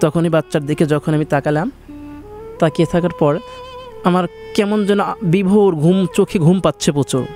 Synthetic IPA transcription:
t̪ɔkʰonebatːʃaɾd̪ekʰed͡ʑɔkʰonamit̪akalam | t̪aket̪ʰakaɾpɔɾamaɾkɛmond͡ʑɛnːobibʱoɾɡʱumt͡ɕokʰeɡʱumpat̪ːɕʰepot͡ɕo

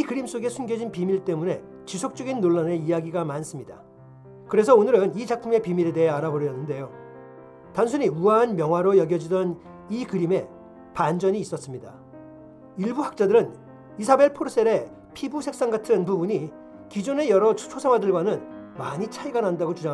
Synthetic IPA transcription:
ikɯɾims͈oɡe̞sʰunɡjʌd͡ʑinpimiɭt͈e̞mune̞ | t͡ɕisʰok̚t͡ɕ͈ʌɡinːoɭːane̞ijaɡiɡamans͈ɯmɲida̰ | kɯɾe̞s̬ʰʌonɯɾɯnit͡ɕak̚pʰɯme̞pimiɾe̞de̞ɦe̞aɾabʌɾjʌnːɯnde̞jo | tans̬ʰuɲiuaːnmjʌŋɦwaɾojʌɡjʌd͡ʑidʌn | ikɯɾime̞ | pand͡ʑʌɲiːs͈ʌs͈ɯmɲida | iɭbuhak̚t͡ɕ͈adɯɾɯn | isʰabe̞ɭpʰoɾs͈ʰeɾe̞ | pʰibusʰe̞k̚s͈aŋɡatʰɯnpubuɲi | kid͡ʑone̞jʌɾʌt͡ɕʰosʰamadɯɭɡwanɯnmaɲit͡ɕʰaiɡanandaɡot͡ɕud͡ʑaŋ

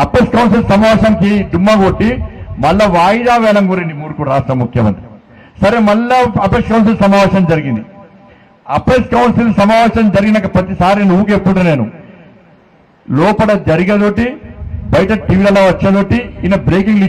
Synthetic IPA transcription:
ɐpeskɐwnsilsɐmaːʋeːʃɐŋkid̪umːaːɡoʈːimɐɭlːɐʋaːjid̪aːʋɛːlɐŋɡuːɾinɖimuːɾukuɾaːʂʈɾɐmːukʰjɐmɐ̰nt̪ɾi | sɐɾemɐlːɐɐpeskɐwns̬ilsɐmaːʋeːʃɐmd͡ʒɐɾiɡind̪i | ɐpeskɐwnsilsɐmaːʋeːʃɐmd͡ʒɐɾiɡinɐkːɐpɐt̪ːisaːɾineːnuʋːukepːuʈune̞ːnṵ | lɔːpɐɽɐd͡ʒɐɾiɡɐd̪oːʈibɐjɐʈɐʈiːʋilɐlːoːʋɐt͡ʃːɐt̪oːʈiinɐbɾeːkiŋɡli

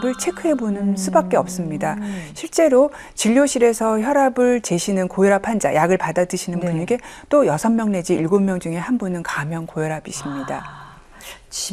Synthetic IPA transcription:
bɯɭt͡ɕʰekʰɯɦe̞bonɯnsʰubak͈̚e̞ʌp̚s͈ɯmɲidaɕʰiɭt͡ɕ͈e̞ɾo | t͡ɕiʎːoɕʰiɾe̞sʰʌçjʌɾabɯɭt͡ɕe̞ɕʰinɯnkojʌɾapʰand͡ʑa̰jaɡɯɭpadadɯɕʰinɯnpuɲeɡe̞t͈ojʌsʰʌmmjʌŋne̞d͡ʑiiɭɡomːjʌŋd͡ʑuŋe̞hanbunɯnkamjʌnkojʌɾabiɕʰimɲida

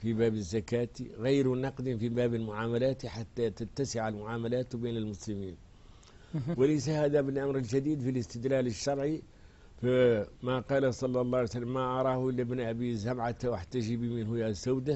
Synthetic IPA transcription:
fibæbəzːakæt̪iɣajɾnɑqd̪əfibæːbəlmʊʕaːmælæt̪ħat̪ːæt̪ət̪ːasɪʕalmʊʕaːmælæt̪binəlmʊsləmiːn | wələjs̬ahæd̪æbəlʔamɾəlʒæd̪iːd̪filəst̪əd̪læləʃːɑɾˤʕi | fmæqɑːlasˤɑlːɑlˤːɑjsalːəmːæʔɑɾˤɑhʊʔəlːabnʔæbizamʕat̪wʔaħt̪ːæʒibiminhʊjæzawd̪a

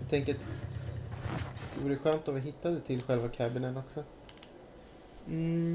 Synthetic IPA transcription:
t̪ʰɛŋkəɾat̪ | d̪ɛvuːɾəɧøːnt̪ɔmvɪɦɪt̪ːad̪ət̪ʰɪlːɧɛlvakʰæːbɪnənɔksɔ | m̩

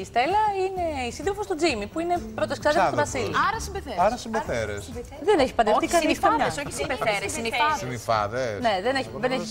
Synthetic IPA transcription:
ist̪elɐine̞isinðɾofost̪od͡zimipuine̞pɾot̪esksɐððist̪vɐsiliɐɾɐsimbeθeɐɾɐsimbeθeɾḛs | ðeneçi̥pɐnd̪efot̪ikɐnistɐɐsoçisimbeθeɾesinifɐðsinisfɐ̰ðesneðeneçðeneçi

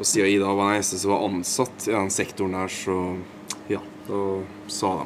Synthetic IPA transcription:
ɔsiːɑɪd̪ɑːʋɑnæɪsəsɔʋɑɾʔɑnsɑt̪ʰːɪd̪ɛnsɛkt̪ʊɳd̪æːʂɔ | jɑː | d̪ɑ | sɑːd̪ɛ̰

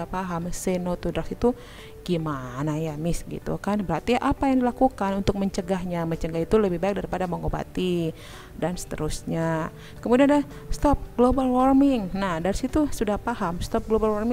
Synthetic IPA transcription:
apaɦamsenot̪udɾasit̪u | ɡ̥imanajamɪsɡḭt̪ṵkanbəɾart̪iaʔapajaŋdilakukanunt̪ʊk̚məɲt͡ʃəɡaɦɲamət͡ʃəŋɡaɦit̪uləbɪhbaɛk̚daɾipadaməŋoba̰t̪i | dansə̥t̪ə̰ɾusɲa | kəmudianada | st̪ɔp̚ɡlobalwɔrmɪŋnahdaɾisit̪usudahpaɦamst̪ɔp̚ɡlobalwɔrmɪ

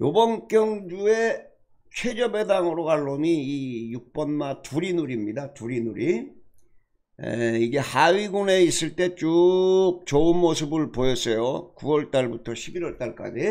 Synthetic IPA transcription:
jobʌŋk͈jʌŋd͡ʑue̞ | t͡ɕʰwe̞d͡ʑʌbe̞daŋɯɾoɡaɭːomiːjuk̚p͈ʌnmatuɾinuɾimɲidatuɾinuɾi | ḛiɡe̞haɥiɡune̞is͈ɯɭt͈e̞t͡ɕ͈uk̚t͡ɕounmosʰɯbɯɭpojʌs͈ʌjokuwʌɭt͈aɭbutʰʌɕʰibiɾwʌɭt͈aɭk͈a̰d͡ʑi

